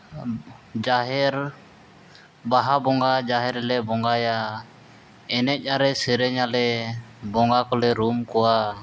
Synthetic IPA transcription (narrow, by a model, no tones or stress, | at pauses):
d͡ʒaɦɛɾ | baɦabɔŋɡad͡ʒaɦɛɾlɛbɔŋɡaja | ɛnɛc̚ˀaɾɛsɛɾɛɲalɛbɔŋɡakɔlɛɾumkɔwa